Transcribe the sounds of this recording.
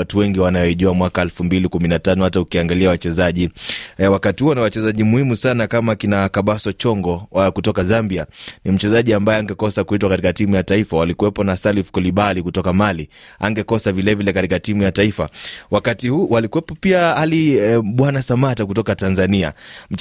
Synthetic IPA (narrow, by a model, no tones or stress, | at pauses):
atuwɛŋɡiwanajɔiʄuamwakaɛlfumbilikuminatanɔhataukiaŋɡaliawat͡ʃɛzaʄiwakatihuɔnawat͡ʃɛzaʄimuhimusanakamakinakaɓasɔt͡ʃɔŋɡɔkutɔkazambianim̩t͡ʃɛzaʄiambajɛaŋɡɛkɔsakuhitwakatikatimujataifawalikuwɛpɔnasalifkɔliɓalikutɔkamalia̰ŋɡɛkɔsavilɛvilɛkatikatimujataifa̰wakatihuwalikuwɛpɔpiaaliɓwanasamatak̬utɔkatanzania̰m̩